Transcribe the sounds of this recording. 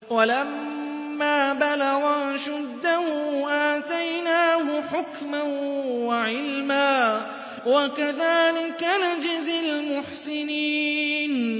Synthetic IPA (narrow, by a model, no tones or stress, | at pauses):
walamː | aːbalaɣaːʃʊd̪ːahʊʔaːt̪ajnaːhʊħʊkmanwaʕɪlmaː | wakaðaːlɪkːanad͡ʒɪzɪlmʊħsɪniːn